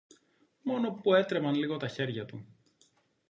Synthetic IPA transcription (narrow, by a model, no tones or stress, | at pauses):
mo̞no̞pue̞t̪ɾe̞pɐnliɣo̞t̪ɐçe̞ɾʝɐt̪u